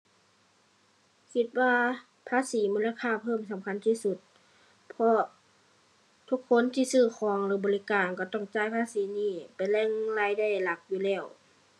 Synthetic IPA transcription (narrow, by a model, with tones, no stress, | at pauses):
kʰi˧t̪̚waː˧ | pʰaː˧˥˨siː˨˦muː˧˥˨la˧kʰaː˧˥˨pʰɤː˧˩˨msa˨˦mkʰa˧˥nt̪ʰiː˧˨su˧˦t̪̚ | pʰɔ˧ | t̪ʰu˧˦kʰːo˧˥˨nt̪ʰiː˧˨sɯː˧˩xʰɔː˨˦ŋlɯː˨˦bɔː˨li˧kaː˨nka˧˩t̪ɔ˧˩ŋt͡ɕaː˧˩˨jpʰaː˧˥˨siː˨˦niː˧˩pa˨jlɛː˧˥˨ŋla˧˨jda˧˥˩jla˧˦k̚juː˧˦lɛː˧˩w